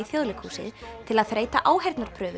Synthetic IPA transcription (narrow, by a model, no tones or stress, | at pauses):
iθjoːðlɪkʰhuːsɪ̰ðt̪ʰɪlaðθɾeːjt̪a̰ʔaːwɦɛjɾt̪naɾpʰɾœːvʏ